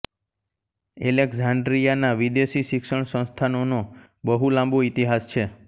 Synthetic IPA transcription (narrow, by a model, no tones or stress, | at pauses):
elekzãɳɖɾijanaʋid̪eʃiʃɪkʃəɳ̃sə̃nst̪ʰanono | bəɦulãmboit̪iɦast͡ʃʰe